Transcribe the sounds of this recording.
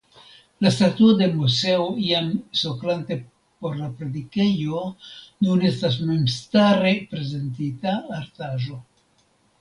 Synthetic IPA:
lastatuode̞muse̞oiamso̞klante̞ | po̞ɾlapɾedike̞jo̞nune̞stas̬me̞mstaɾe̞pɾe̞ze̞ntitaːɾtaʒo̞

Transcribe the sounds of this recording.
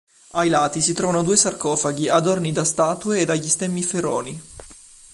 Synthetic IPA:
ajlaːt̪isit̪ɾɔːvanod̪uːesarkɔːfaɡiad̪ornid̪ast̪aːt̪ueːd̪aʎːist̪ɛmːifeɾɔːni

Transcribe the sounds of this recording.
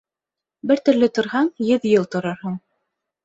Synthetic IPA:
bɘɾt̪ɵ̆ɾlɘt̪ŏɾɦɑɴjɘðjɤlˠt̪ŏɾɤɾɦɤɴ

